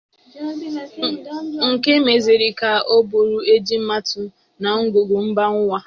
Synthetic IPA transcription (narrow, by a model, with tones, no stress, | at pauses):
ŋ̩˨ke˦me˨ze˨ɾi˨ka˨o˦bo˨ɾu˦e˦d͡ʒi˦m̩˦ma˦tʊ˨ | na˨ŋ̩˦ɡʷo˨ɡu˨m̩˦ba˦ŋ̩˦wʷa˦